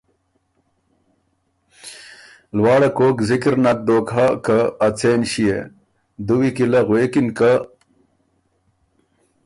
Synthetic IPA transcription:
lwaːɽɐkoːkzikɾnɐt̪̚d̪oːkɦakɐːt͡seːnɕijḛ | d̪uwikilɐɣweːkinka

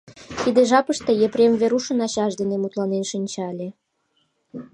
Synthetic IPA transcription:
t̪id̪eʒɑpəʃt̪ejeprʲemveɾuʃə̆nɑɕɑʒd̪enemut̪lɑnenʃinʲt͡ɕɑlʲe

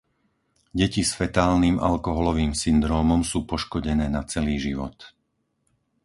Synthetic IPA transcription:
ɟɛcisfɛt̪aːlniːmʔa̰lkɔɦɔlɔʋiːmsind̪ɾɔːmɔmsuːpɔʃkɔɟɛnɛːnat͡sɛliːʒiʋɔ̰t̪

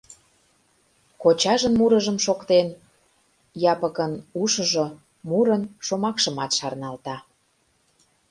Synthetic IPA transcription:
kot͡ɕɑʒənmuɾəʒəmʃokt̪en | jɑpəkənuʃə̆ʒo | muɾənʃomɑkʃəmɑt̪ʃɑrnɑlt̪ɑ

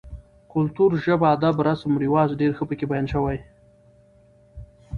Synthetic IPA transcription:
kʊlt̪uɾʒəbad̪abɾasamɾiwɑzɖeɾxəpəkebajɑnʃəwaj

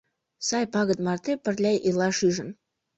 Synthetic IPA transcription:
sɑjpɑɣə̆t̪̚mɑrt̪epə̆rlʲæjʔelɑʃyʒə̆n

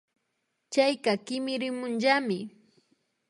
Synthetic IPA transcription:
t͡ʃajkakɪmɪɾɪmʊnʒamɪ

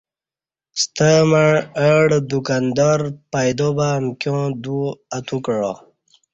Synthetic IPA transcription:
st̪əmaɻəɽd̪ukand̪aɾpajd̪obaːmkjõd̪uat̪ukəɻo̰

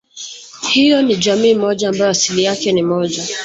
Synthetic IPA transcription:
hijɔnid͡ʒamiːmɔʄaːmbajɔasilijakɛnimɔʄa

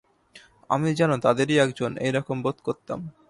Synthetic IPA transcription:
a̰mid͡ʑanot̪ad̪eɾiɛkd͡ʑonḛjɾɔkombot̪koɾt̪a̰m

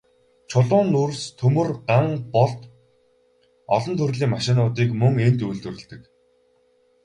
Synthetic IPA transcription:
t͡ɕʰʊɮʊːnːurst̪ʰɵmɵ̆rɢaŋpɔɮt̪ | ɔɮɞ̆nt̪ʰɵrɮiːŋmaʃɪ̆nʊːt̪iːkmɵŋent̪ujɮt̪ɵ̆rɘ̆ɮt̪ɘ̆k

